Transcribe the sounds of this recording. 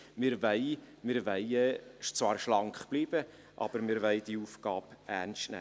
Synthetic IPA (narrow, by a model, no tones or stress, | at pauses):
mɪɾvɛɪ | mɪɾʋɛɪt͡svɑːɾʃlɑŋkχb̥liːb̥ə | ʔɑ̰b̥əɾmɪɾʋɛɪdiuːfɡ̥ɑːpʔænstnæ̰